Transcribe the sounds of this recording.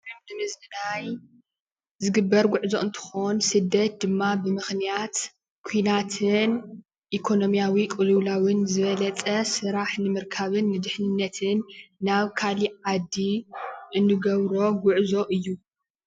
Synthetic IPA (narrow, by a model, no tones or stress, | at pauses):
imd̪ɨmɨzdɨnaj | zɨɡɨbːɐɾɡʷʊʕzo̞ʔɨnt̪ʰɨ̥xonsɨd̪ːɐt̪̚d̪ɨmːabɨmɨxnijat̪ | kʰujnat̪ʰɨn | ʔikʰo̞no̞mijawikʼɨluβlawɨnzɨβɐlɐt͡sʼɐsɨɾaħnɨmɨɾkʰaβɨnːɨd̪ɨħnɨnːɐt̪ʰɨnːaβkʰaliʕad̪ːiʔɨnːɨɡɐβɾo̞ɡʷʊʕzo̞ʔɨjːu